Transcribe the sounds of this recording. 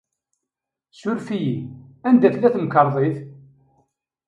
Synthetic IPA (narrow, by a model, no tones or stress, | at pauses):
sʊɾfijiænd̪æθlæθmkəɾˤðˤeθ